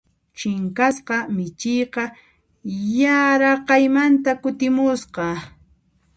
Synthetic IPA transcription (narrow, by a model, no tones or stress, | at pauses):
t͡ʃɪŋkasqɑmɪt͡ʃɪjqɑ | jaɾɑqɑjmant̪akʊt̪ɪmʊsqɑ